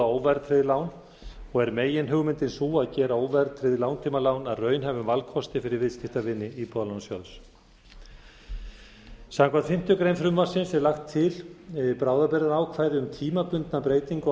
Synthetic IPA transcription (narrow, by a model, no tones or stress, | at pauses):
aoːwvɛɾt̪ʰɾɪðɪlaːwn | ɔɣɛɾmeːjɪnɦʏɣmɪnt̪ɪnsuːaðcɛːɾaoːwvɛɾt̪ʰɾɪðɪlaːwnt̪ʰiːmalawnaðrœːɥnɦɛvʏmvalkʰɔst̪ɪfɪɾɪɾvɪðscɪft̪avɪnːɪipɔlawnsjɔðs | sawŋkʰvant̪fɪm̥t̪jʏkɾeːjnfɾʏmvasɪnsɛɾlaxt̪ʰːɪlpɾaːwðapɛɾaɾaːwkʰvaːjɾɪʏmt̪ʰiːmapʏnt̪napɾeːjt̪iŋk